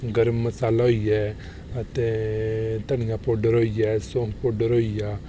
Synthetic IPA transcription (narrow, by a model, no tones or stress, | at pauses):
ɡəɾmːəsaːlaɦoːijɛː | ət̪e | t̪ɐñɪjapoːɖəɾɦoːijɛːsõːŋpoːɖəɾɦoːijaː